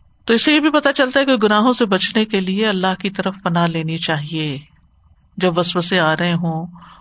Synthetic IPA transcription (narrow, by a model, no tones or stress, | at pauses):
t̪oɪsejebʱipɐt̪at͡ʃɐlt̪aɦɛkoɡʊnaːɦõsebɐt͡ʃnekelieɐlːaɦkit̪ɐɾəfpɐnaleːnit͡ʃaːɦieː | d͡ʒɐbʋɐsʋəseaːɾɐɦeɦõː